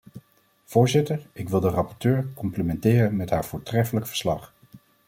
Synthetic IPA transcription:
v̥ʊːɹzɪtəɹɪkʋɪlˠdərɑpɔɹtøːɹkɔmplimɛntɪːrənmɛtɦaːɹvʊːɹtrɛfələkfəɹslɑχ

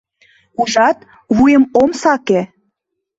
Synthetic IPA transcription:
uʒɑt̪ | βujəmomsɑke

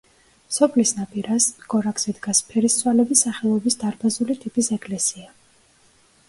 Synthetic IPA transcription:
sɔpʰlisnapʼiɾasɡɔɾakz̥ɛd̪ɡaspʰɛɾisswalɛbisːaχɛlˠɔbisd̪aɾbazulit̪ʼipʼisɛkʼlɛsia

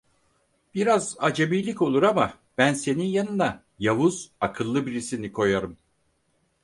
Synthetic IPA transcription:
b̥iɾazad͡ʒabijlʲico̞lˠuɾama | b̥ænse̞ninjanɯna | javuz̥akʰɯlˠːɯbiɾisinikʰo̞jaɾɯm

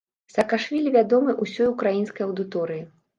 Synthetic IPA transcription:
sɐkaʂvʲilʲivʲad̪ɔmɨʔusʲɔjukɾajinskɐjɐwd̪ɨt̪ɔɾɨji

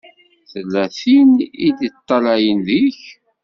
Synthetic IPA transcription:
θəlːæθinid̪it̪ˤːɑlæjənðəç

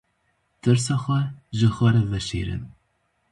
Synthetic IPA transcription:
t̪ɨɾs̬ɑːxʷɛʒɨxʷɛɾɛvɛʃḭːɾɨ̰n

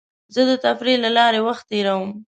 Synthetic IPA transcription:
zəd̪ət̪afɾilalɑɾewaxt̪̚ːeɾawəm

